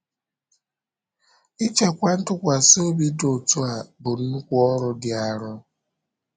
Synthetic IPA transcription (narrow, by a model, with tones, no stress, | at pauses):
i˦t͡ʃe˨kʷa˦n̩˦tʊ˦kʷa˨so˦bi˦do˨tu˦a˨bʊ˨n̩˦nu˦kʷu˦ɔ˦ɾʊ˨dɪ˨a˨ɾʊ˦